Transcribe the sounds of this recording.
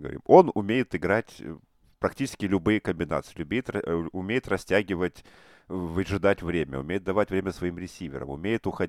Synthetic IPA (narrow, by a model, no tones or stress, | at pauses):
ɡəvɐ̰ɾʲḭmo̞nʊmʲejɪt̪ɨɡɾatʲ | pɾɐktʲit͡ɕɪskʲɪlʲʊbɨjəkəmʲbʲɪna̰t̪sɨɪlʲʊbʲejɪt̪ɐʊmʲejɪt̪rɐsʲtʲæɡʲɪvətʲ | vɨʐɨd̪atʲvɾʲemʲə̰ʊ̰mʲejɪt̪̚d̪ɐvatʲvɾʲemʲəsvɐimɾʲɪsʲivʲɪ̰ɾə̰mʊ̰mʲejɪt̪ʊxɐ